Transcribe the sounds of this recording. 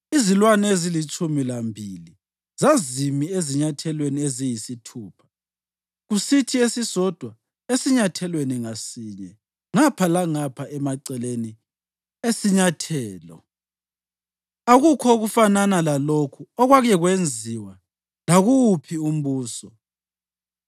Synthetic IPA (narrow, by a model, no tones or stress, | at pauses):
izilwanezilit͡ʃʼumilambʱili | zazimieziɲatʰɛlweniezijisitʰuːpʰḁ | ɣusitʰiesisɔd̥ʱwa | esiɲatʰɛlweniŋasiɲɛ | ŋapʰalaŋapʰaʔɛmaǀɛleni | esiɲatʰɛːlɔ̰ | aɣukʰɔoɣufananalalokʰuɔɣwaɣɛɣwend͡zʱiwa | laɣuwupʰium̩βuːsɔ